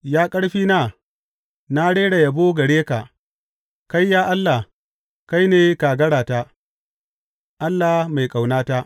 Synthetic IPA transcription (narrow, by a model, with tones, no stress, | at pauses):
jaː˦kʼɐ˦ɽɸiː˦naː˦˨ | na˦ɽeː˦ɽa˨jɐ˨boː˦ɡɐ˨ɽeː˦ka˨ | ka˦jːaː˦ʔa˦lːa˨ | ka˦jneː˨kaː˨ɡɐ˦ɽaː˨ta˦ | ʔa˦lːa˨ma˨jkʼa˨wnaː˦ta˦ʔ